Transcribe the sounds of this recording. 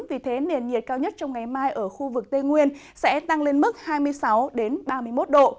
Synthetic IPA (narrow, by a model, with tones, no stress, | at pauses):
vi˨˩t̪ʰe˨˦ne˨˩nɲi˨˩ət̚kaː˧wɲə˦˥t̚t͡ɕɔ˧wŋ͡mŋa˨˩jmaː˧jʔəː˧˩xu˧vɨ˨˩k̚t̪e˧ŋwi˧ən | sɛ̰˧˥t̪a˧ŋle˧nmɨ˦˥t̚haː˧jmɨ˧əjsa˨˦wɗe˨˦nɓaː˧mɨ˧əjmo˦˥t̚ɗo̰˧˨